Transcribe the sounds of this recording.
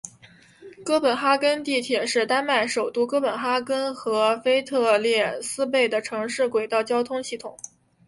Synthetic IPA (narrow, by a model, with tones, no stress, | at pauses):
kɤ˥pə˨˩nxa˥kə˥nt̪i˥˩t̪ʰjɛ˨˩ʂɻ̩˥˩t̪a˥nma˥˩ɪʂo˨˩ʊt̪u˥˧kɤ˥pə˨˩nxa˥kə˥nxɤ˧˥fe˥ɪt̪ʰɤ˥˧ljɛ˥˩sɹ̩˥p̬e˥˩ɪd̪ə˩ʈ͡ʂʰɤ˧˥ŋʂɻ̩˥˩kwe˨˩ɪt̪ɑ˥˩ʊt͡ɕjɑ˥ʊt̪ʰʊ˥ŋɕi˥˩t̪ʰʊ˨˩˦ŋ